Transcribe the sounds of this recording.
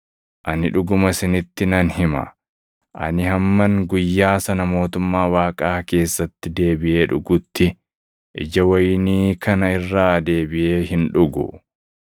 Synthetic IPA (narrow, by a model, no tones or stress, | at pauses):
ʔɐnɪᶑʊɡʊmɐsɪnɪt̪ːɪnɐnhɪmɐ̰ | ʔɐ̰nɪhɐmːɐŋɡʊjːaːsɐnɐmo̞ːt̪ʊmːaːwaːkʼaːke̞ːsːɐt̪ːɪd̪e̞ːbɪʔe̞ːᶑʊɡʊt̪ːɪ | ʔɪ̰d͡ʒɐwɐjniːkʰɐnɐɪrːaːd̪e̞ːbɪʔe̞ːɦɪnᶑʊɡʊ̰